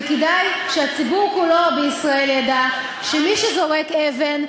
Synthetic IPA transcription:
kidajʃeat͡sibuʁkulo̞beisʁae̞ljada | ʃemiʃezo̞ʁekeven

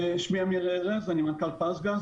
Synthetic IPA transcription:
ʃmiamiʁeʁezanimankalpasɡaz

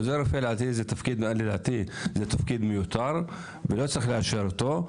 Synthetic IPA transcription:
zeɾofelʕat̪izet̪afkid̪madlilʕat̪izet̪afkid̪mejut̪aɾ | velot͡sɾixleaʃeɾt̪o

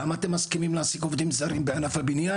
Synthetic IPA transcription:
amaat̪emːaskimimlaasikovd̪imzaʁimbeanafhabinja

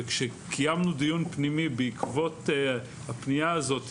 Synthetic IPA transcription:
kʃekʰijamnud̪ijunpnimibeikʰvo̞t | hapnijaazo̞t̪

